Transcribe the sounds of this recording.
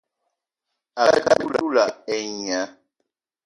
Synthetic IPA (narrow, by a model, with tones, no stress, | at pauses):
a˨˦ka̰˦lu˦la̰u˦la˨ɛ˨ɲ˨a˦